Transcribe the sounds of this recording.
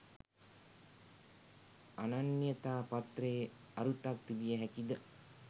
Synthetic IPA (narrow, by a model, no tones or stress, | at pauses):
ananːjət̪aːpat̪reː | aɾut̪akt̪ːiʋijəɦækid̪ə